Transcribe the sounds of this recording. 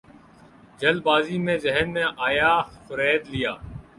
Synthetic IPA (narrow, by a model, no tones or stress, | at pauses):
d͡ʒəlbaːziːmẽːzəɦənmẽːʔaːjaːxʊɾɛːd̪lɪjaː